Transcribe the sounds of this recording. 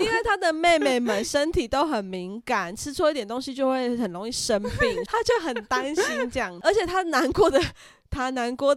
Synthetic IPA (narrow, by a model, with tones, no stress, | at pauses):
i˥˦ŋwa˥˩ɪt̪ʰa˥d̪ə˨me˥˧ɪme˥˩ɪmə˨˦nʂə˦nt̪ʰi˨˩t̪o˦˥ʊxə˨˩nmi˨˦ŋka˨˩nʈ͡ʂʰɻ̩˥t͡sʰu˥i˥t̪jɛ˨˩nt̪o˥ŋɕi˧˥t͡ɕjo˥˧ʊxwe˥˩ɪɪxə˨˩nɻo˧˥ŋi˥˩ʂə˦npi˥˩ŋt̪ʰa˥t͡ɕjo˥˩ʊxə˨˩nt̪a˦nɕi˥nt͡ɕŋə˞˧˥t͡ɕʰjɛ˨˩t̪ʰa˦˥na˧˦nkwɔ˥˩d̪ə˨ | t̪ʰa˥na˧˦nkwɔ˥˩